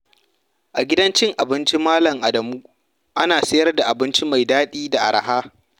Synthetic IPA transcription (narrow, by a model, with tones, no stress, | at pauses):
ʔa˨ɡʲɪ˦dɐ˦nt͡ʃɪ˦ŋʔa˨bɪ˦nt͡ʃi˦maː˦lɐ˨ŋʔa˨dɐ˨muː˦ | ʔa˦naː˨sɐ˦jɐ˦rda˨ʔa˨bɪ˦nt͡ʃi˦ma˨jdaː˦ɗiː˦da˨ʔa̰˨ɾʔa̰˨haː˦